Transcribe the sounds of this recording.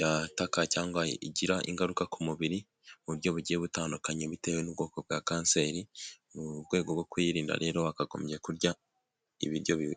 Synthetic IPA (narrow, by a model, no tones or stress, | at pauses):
jatakacaːŋɡaḭɟiɾaʔḭŋɡaɾukakumuβiɾi | βuɾjo̞βuɟeβutaːndukaɲeβite̞ːwenubɡo̞ːkob̚ɡakaːnse̞ɾimuβɡwe̞ːɡobɡo̞kwiːɾiːnda̰ɾe̞ːɾo̞akaɡo̞̰mje̞kuɾɟa | ḭβiɾjo̞βi